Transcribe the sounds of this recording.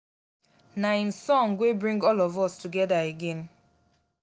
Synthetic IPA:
naĩn̩sɔ̃ŋɡwebɹĩŋɡɔlɔvɔstuɡɛdaeɡẽn

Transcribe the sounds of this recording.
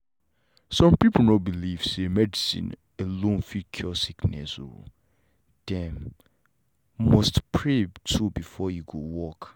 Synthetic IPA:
sɔ̃mpipʰl̩nɔbiliv̥semɛdisḭ̃n | ɛlõnfikʰɔsiknɛ̰sṵ | d̥ɛ̃m | mɔstpʰɹebtʰubifɔjuɡowɔk

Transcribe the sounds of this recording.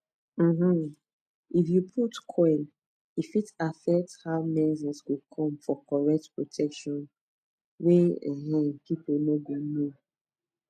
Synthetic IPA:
ɦm̩ | ifjupʰutkʰɔɪl | ifitafɛk̚thaʊmɛzĩswikʰɔ̃mfɔkɔɹɛk̚tpɹotʰɛkʃɔ̃n | weɛ̃ɦ̩pipunobino

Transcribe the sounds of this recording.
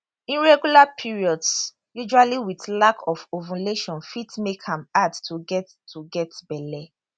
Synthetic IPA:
ĩnɹɛɡulapʰiɹiɔds | jud͡ʒualiwitlakʰɔfovũleʃɔ̃nfitmekʰãmadtʰuɡɛtʰ | uɡɛtbɛlɛ

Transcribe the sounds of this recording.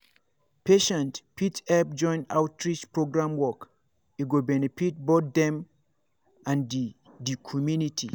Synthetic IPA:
pʰeʃɛ̃ntpʰitɛp̚d͡ʒɔ̃ɪ̃na̰wtɹit͡ʃpɹoɡɹãmwɔk | iɡobɛnefit̚botdɛ̃m | ãndi | dikʰɔmjunitʰḭ

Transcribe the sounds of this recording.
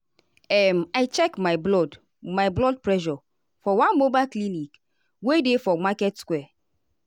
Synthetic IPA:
ɛmaɪt͡ʃɛkmaɪblɔd | majblɔd̚pɹɛʃɔ | fɔwãnmobalklinik | wedefɔŋ͡makɛtskwɛ

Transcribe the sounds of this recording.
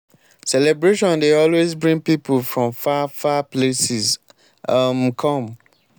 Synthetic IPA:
sɛlɛbɹeʃɔ̃ndeɔlwezbɹĩŋpipulfɹɔ̃mfafaplesiz | amkʰɔ̃m

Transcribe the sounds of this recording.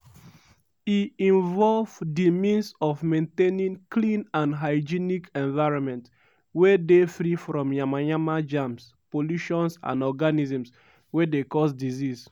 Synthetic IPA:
iĩnvɔlvdimĩnsɔvmẽntenĩŋklĩnãnɦaɪd͡ʒinikɛ̃nvaɪɹɔ̃nmɛ̃nt | wedefɾifɹɔ̃mjãmajãmad͡ʒãms | poluʃɔ̃nsã̰nɔɡanizɔ̃ms | wedekɔs̬dizis

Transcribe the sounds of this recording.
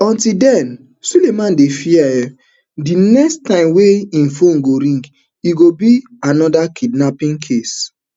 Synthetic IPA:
ɔ̃ntidɛn | sulemãndefiaɛ | dinɛkstãɪ̃mweĩnfõnɡoɾĩŋɡ | iɡobi | anɔdakʰidnapĩŋkʰes

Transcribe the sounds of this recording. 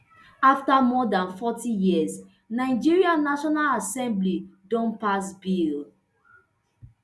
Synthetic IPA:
aftamɔdãnfɔtijiəz | naɪd͡ʒiɹiãnaʃɔnalasɛ̃mblidɔ̃npasbil

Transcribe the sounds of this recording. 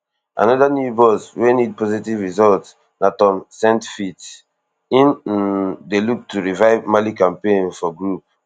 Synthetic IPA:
ʔã̰nɔdanjubɔswenid̚pɔzitivɹizɔlt | natɔ̃msɛ̃ntfit | ĩn | deluk̚tʰuɹivaɪvmalikãmpẽnfɔɡɹup̚

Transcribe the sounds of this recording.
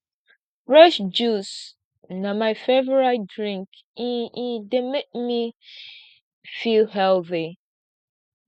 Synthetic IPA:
ɹɛʃd͡ʒus | namaɪfevəɹadɹĩŋk | ĩĩdemek̚mi | filɦɛlθi

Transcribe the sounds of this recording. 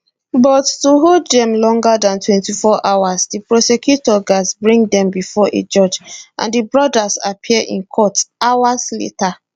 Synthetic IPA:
bɔtːuɦoddɛ̃mlɔ̃ŋɡadãntwɛ̃ntifɔʔawasdipɹɔsɛkjutɔɡazbɹĩŋdɛ̃mbifɔʔḛd͡ʒɔd͡ʒʔã̰ndibɹɔdazapʰiəʔḭ̃nkʰɔtawazlḛta

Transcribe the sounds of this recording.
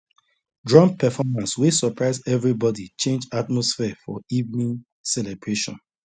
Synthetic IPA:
dɹɔ̃mpɛfɔmãnswesɔpɹaɪzɛvɹibɔdit͡ʃẽnd͡ʒatmɔsfɛfɔivnĩn | sɛlɛbɹeʃɔ̰̃n

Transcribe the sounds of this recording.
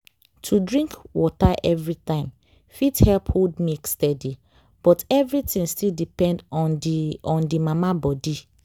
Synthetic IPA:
tʰudɹĩŋkwɔtaʔɛvɹitãɪ̃m | fithɛlphodmekstɛdi | b̥ɔtɛvɹitĩŋstildipɛ̃nd | ɔ̃ndimamabɔdi

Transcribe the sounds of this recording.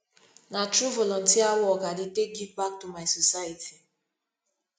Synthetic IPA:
natɾuvɔlɔ̃n̩tiawɔɡadɪtek̚ɡivbak̚tumaɪsɔsajitʰi

